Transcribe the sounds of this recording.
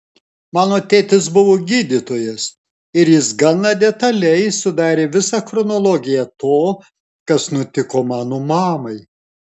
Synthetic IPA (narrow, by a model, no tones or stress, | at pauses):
mɑːnoːt̪ʲeːt̪ʲɪs̬bʊʋoːɡʲiːd̪ʲit̪oːjɛs | ɪɾjɪsɡɐnɑd̪ʲɛt̪ɐlʲɛɪsʊd̪ɑːɾʲeːʋʲɪsɑxɾɔnɔlˠoɡʲɪjɛt̪oː | kɐsnʊt̪ʲɪkoːmɑːnomɑːmɐɪ